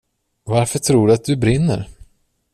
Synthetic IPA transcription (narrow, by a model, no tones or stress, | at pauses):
vaɾfœʈʰɾuːɖɵat̪̚d̪ɵbɾɪnːə̰ɾ